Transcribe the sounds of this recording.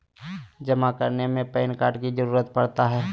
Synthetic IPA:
d͡ʒɐmakəɾnemẽpɛːnkaːɾɖkizəɾuːɾət̪̚pɐɽt̪aɦɛː

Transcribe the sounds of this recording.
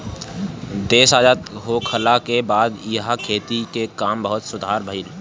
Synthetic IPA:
d̪eːsaːd͡ʒaːt̪ɦoːkʰəlakebaːd̪jɦakʰeːt̪ikekaːmbəɦʊt̪sʊd̪ʱaːɾbʱəɪl

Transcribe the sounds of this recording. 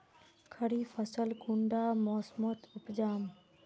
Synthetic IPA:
kʰəɽiːfʰəsəlkuɳɖaːmoːsmot̪ʰʊpd͡ʒaːm

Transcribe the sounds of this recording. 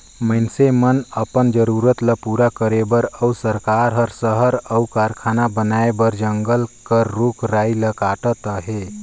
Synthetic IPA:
məɪnsemənəpənd͡ʒəɾuɾət̪ləpuɾakəɾebəɾəusəɾkaɾɦəɾsəɦəɾəukaɾkʰaːnabənaebəɾd͡ʒəŋɡəlkəɾːukɾailəkaʈət̪əɦe

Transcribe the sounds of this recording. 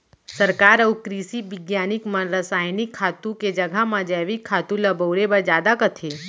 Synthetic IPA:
sɐɾkaːɾɐwkɾisibɪɡjaːnɪkmɐ̃nɾəsaːjnɪkʰːaːt̪ũked͡ʒɐɡʱamãd͡ʒɛːʋikʰːaːt̪ũlɐboːɾebɐd͡ʒjaːd̪akɐt̪ʰe

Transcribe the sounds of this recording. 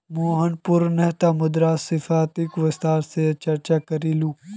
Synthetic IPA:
moːɦənpʊɾnɛɦt̪amʊd̪ɾaːsɪfaːt̪ɪkʋɪst̪aːɾset͡ʃɐɾt͡ʃakɐɾiːluː

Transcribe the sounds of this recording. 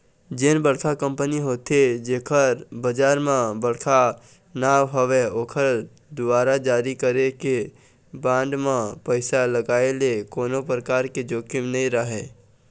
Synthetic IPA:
d͡ʒɪnbəɽkʰakə̃mpəniɦoːt̪ed͡ʒeːkʰəɾbəd͡ʒaːɾmãbəɽ̤kʰa | naːʋɦoʋeoːkʰəɾ | d̪ʊaːɾad͡ʒaːɾikəɾeke | bãːɳɖmãpəɪsaləɡaːelekoːnopɾəkaːɾked͡ʒoːkɪmnɐɦĩɾəɦeː

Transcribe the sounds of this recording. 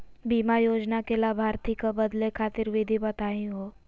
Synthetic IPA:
biːmajoːd͡ʒnakelabʱaːɾt̪ʰikabɐd̪lekʰaːt̪ɪɾʋɪd̪ʱibɐt̪aːĩɦoː

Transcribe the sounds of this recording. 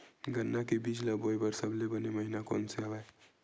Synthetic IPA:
ɡənːakebid͡ʒʱləbojbəɾsəbʱlebəneməɦinako̰nseɦəbɛj

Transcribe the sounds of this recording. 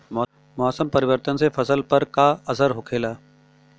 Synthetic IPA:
mɔːsəmpɐɾɪʋəɾt̪ənsefɐsəlpɐɾkaɐsəɾɦʊkʰeːlaː

